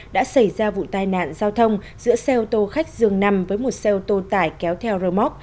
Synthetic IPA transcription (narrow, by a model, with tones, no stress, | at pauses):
ɗa̰ː˧˥sa˧˩jzaː˧vṵ˧˨t̪aː˨˧jna̰ː˧˨nzaː˧wt̪ʰə˧wŋ͡m | zɨ̰˧˥əsɛ˧ʔo˧t̪o˧xa˦˥jk̟̚zɨ˨˩əŋna˧mvəː˨˦jmo˨˩t̚sɛ˧ʔo˧wt̪o˧t̪aː˧˩jkɛ˨˦wt̪ʰɛ˧wɾəː˧mɔ˦˥t̚